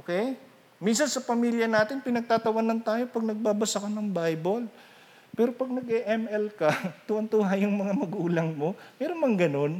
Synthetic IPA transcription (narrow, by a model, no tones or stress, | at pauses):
ʔoːkɛj | minsɐnsɐpɐmiːljɐnaːt̪ɪnpɪnɐɡ̚t̪aːt̪ɐwɐnɐnt̪aːjo̞pɐɡ̚nɐɡ̚baːbɐsɐkɐnɐŋbajbol | pɛːɾopɐɡ̚nɐɡɛʔɛmɛlkɐt̪uʔɐnt̪uːɦajʊŋmɐŋamɐɡuːlɐŋmo̞mɛːɾonmɐŋɡɐno̞n